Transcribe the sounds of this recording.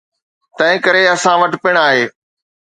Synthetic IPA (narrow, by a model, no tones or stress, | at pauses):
t̪ɐ̃ɦɪ̃kɐɾeɐsãʋɐʈpɪɽ̃aːɦeː